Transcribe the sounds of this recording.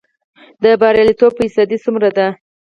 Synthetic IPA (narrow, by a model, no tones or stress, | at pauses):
d̪əbɑɾjɑlit̪ob̚pəisɑd̪isumɾad̪a